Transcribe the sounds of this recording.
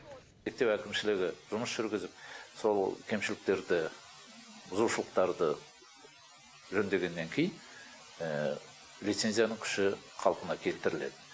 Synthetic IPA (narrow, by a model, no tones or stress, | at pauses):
me̞k̚t̪ewækʲɪmʃɪlɪɡʲɪʒ̥ʊməsʒ̥ʏɾɡʲɪzɪp̚so̞lˠkʲʰe̞mʃɪlɪk̚t̪e̞ɾd̪ɪ | bʊzuʃəlˠəq̚t̪ɑɾd̪ə | ʒɵnd̪e̞ɡʲe̞nːe̞ŋkʲʰe̞jɪn | lijt̪se̞nzijanəŋkʲʰʏ̥ʃɪqʰɑlˠəqənɑkʲʰe̞lt̪ɪɾɪle̞̰d̪ɪ